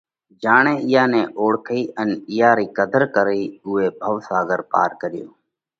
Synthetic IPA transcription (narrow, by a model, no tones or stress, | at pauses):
d͡ʒaːɳẽːɪjaːnẽːʔoːɽkʰiːʔənɪjaːɾiːkəd̪əɾkəɾiːʊːeːbʱəʋsaːɡəɾpa̰ːɾkəɾɪjoː